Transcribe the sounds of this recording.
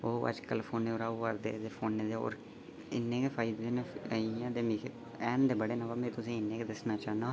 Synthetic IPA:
oːə̰d͡ʒkəlpʰoːneːoːɾaːoʋaɾd̪ḛːd̪eːpʰoːnːeːd̪eo̰ːɾ | ɪ̰nːẽːkefʰaːid̪eːneːiãːd̪eːmiːkʰe | ɛːnd̪eːbəɽeːnãʋaːmẽːt̪ʊsĩːɪnːẽːkeːd̪əsnaːt͡ʃaːnaː

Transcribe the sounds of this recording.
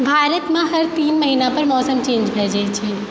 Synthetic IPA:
bʱaːɾət̪mãɦɐɾt̪iːnmɐɦinapɐɾmɔːsəmt͡ʃẽːnd͡ʒbʱɛd͡ʒet͡ʃʰiː

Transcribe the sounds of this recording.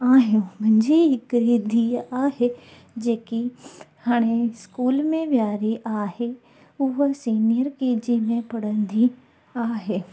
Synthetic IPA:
aːɦjũmɐ̃ɲd͡ʑiɦɪkɾid̪ʱiaːɦe | d͡ʑeːkihaːɽ̃eskuːlmẽʋjaːɾiʔaːɦe | ʊɦəsiːnijəɾkeːd͡ʑimẽpɐɽ̤ə̃nd̪i | aːɦeː

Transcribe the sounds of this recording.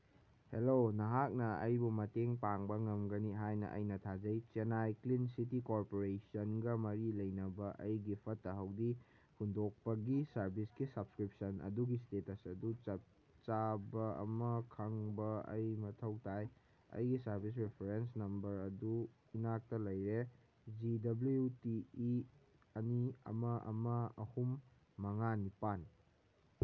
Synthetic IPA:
helonɐɦak̚nɐɐ̰jbumɐteŋpaŋbɐŋɐmɡɐniɦajnɐ̰ʔɐ̰jnɐtʰad͡ʒɐjt͡ʃenajklinsitikoɾpoɾesɐnɡɐmɐɾilɐjnɐbɐʔɐjɡipʰɐtːɐɦɐwdi | hundok̚pɐɡisɐɾbʱisɡisɐbskɾip̚sɐnɐ̰duɡistetɐsɐdut͡ʃɐp̚ | t͡ʃabɐɐ̰mɐkʰɐŋbɐɐ̰jmɐtʰɐwtʰaj | ɐ̰jɡisɐɾbis̬ɾepʰeɾensnɐmbɐɾɐdu | inak̚tɐlɐjɾe | d͡ʒidɐblujutii | ɐniɐ̰mɐʔɐ̰mɐɐhumː | ɐŋanipani

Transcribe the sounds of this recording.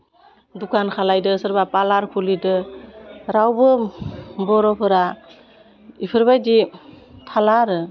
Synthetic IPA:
dukʰankʰalajdɯːsɯɾbapalaɾkʰulidɯ | ɾawbɯ | bɔɾɔpʰɯɾa | ipʰɯɾβajdi | tʰalaɾɯ

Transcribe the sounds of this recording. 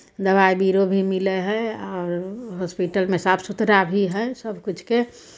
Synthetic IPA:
d̪əbaibiɾobʱimileɦɛɔːɾɦɔspiʈəlmesapʰsut̪ɾabʱiɦɛsəbʱkut͡ʃʰke

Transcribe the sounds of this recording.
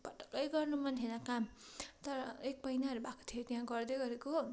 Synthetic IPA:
pʌʈʌ̥kʌjɡʌrnumʌnt̪ʰenʌkamt̪ʌɾʌek̚pʌjnaʌɾubʱako̥t̪ʰiot̪jɦãɡʌrd̪ʌɡʌɾeko

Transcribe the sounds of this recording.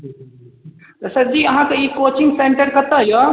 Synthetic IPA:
t̪ɐsɐd͡ʒiːɐɦãkeiːkoːt͡ʃɪ̃ŋɡsẽːɳʈəɾkɐt̪ɐɦjo

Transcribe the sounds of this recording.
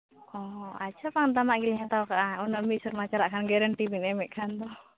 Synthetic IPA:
ɔatːt͡ʃʰapaŋnt̪̬amaʔɡilɲat̪awkaʔaunɔmisɔɾmat͡ʃaɾaʔkʰanɡɛɾaɳʈibinɛmɛʔkʰant̪ɔ

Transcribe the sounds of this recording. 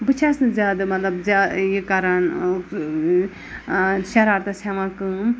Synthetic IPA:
bɨt͡ʃʰasnɨzʲaːd̪ɨmɐt̪lɐbzʲaːjikaɾan | ʃɐɾaɾt̪ɐsaʋãkɨ

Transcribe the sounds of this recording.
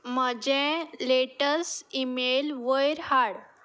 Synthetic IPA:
məd͡ʑẽleʈəsimelʋəjɾhaɽ

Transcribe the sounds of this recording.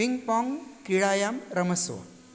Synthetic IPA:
iŋɡpɔŋɡkiɭaːjamɾɐmɐsʋɐ̰

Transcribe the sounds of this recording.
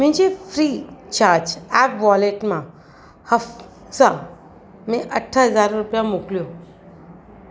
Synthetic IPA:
m̤ĩɲd͡ʑefʰɾit͡ɕaɾd͡ʑɛpʋɔleʈmã | həf | sa | mẽʔəʈʰːaɦəd͡zaɾːupjamukljo

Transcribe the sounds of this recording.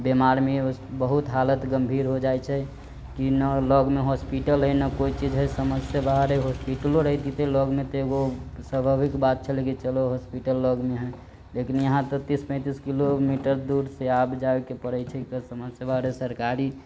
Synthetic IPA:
bemaɾmebəɦut̪ɦalət̪ɡəmbʱiɾɦod͡ʒajt͡ʃʰɛ | kinəlɔɡmeɦospiʈəlɦəjnəkoit͡ʃid͡ʒɦəjsəməsjəbaɦɾeɦospiʈəloɾəɦt̪it̪ɛlɔɡmet̪ɔeɡosəbʱəbikbat̪̚t͡ʃʰəleket͡ʃəloɦospiʈəlːɔɡmeɦɛ | lekinjəɦãt̪ɔt̪ispə̃t̪iskilomiʈəɾd̪uɾseabd͡ʒabekepəɾəjt͡ʃʰɛkəsəməsjəbaɦɾesəɾkaɾi

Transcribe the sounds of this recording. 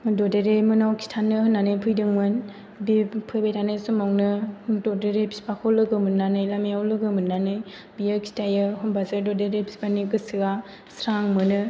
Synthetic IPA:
dɔdeɾemɯnawkʰi̥tʰanɯhɯnːanɯjpʰɯjdɯŋmɯn | bipʰɯjbajtʰanɯjsumaŋnɯdɔdeɾepi̥spakʰɔlɯɡɯmɯnːanɯjlameawlɯɡɯmɯnːanɯj | bijɯkʰi̥tʰajɯɦumbazɯdɔdeɾepʰi̥spanikɯsɯɡa | sɾaŋmɯnɯ

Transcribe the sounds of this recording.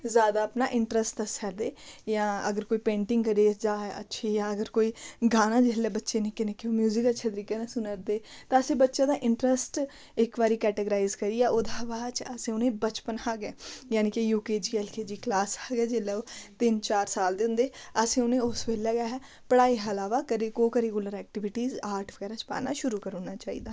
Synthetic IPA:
zjaːd̪aːəpnaːʔɪɳʈɾəsʈ̪əsɛːd̪eːjãːəɡəɾkoːiːpẽːɳʈɪŋɡkəɾeːd͡ʒãːə̰tːʃʰeːjãːəɡəɾkoːiːɡaːnãːd͡ʒeɦlːɛːbətːʃeːnɪkenɪkːeoːmjuːzɪkətːʃʰeːt̪əɾiːkeːnasʊ̃nəɾd̪eːt̪ãːəsẽːbətːʃaːd̪aːʔɪɳʈɾəsʈ | ɪkʋaːɾiːkɛːʈəɡəɾaːɪzkəɾiːɛːʔʊd̪aːʋaːt͡ʃəsẽːʊnẽːbət͡ʃpənhaːɡɛːjaːniːkejuːkeːd͡ʒiːɛːlkeːd͡ʒiːklaːshaːɡɛːd͡ʒeːlɛːot̪ɪnt͡ʃaːɾsaːld̪eʊ̃nd̪eːəsẽːʊnẽːʊsʋeːlɛːɡaɦɛː | pəɽaːiːɦəlaːʋaːkəɾeɡoːkəɾeɡʊləɾɛːk̚ʈɪʋɪʈiːzaːɾʈʰʋəɡɛːɾaːt͡ʃpa̰ːnaːʃʊɾuːkəɾoːnaːt͡ʃaːḭːd̪aː

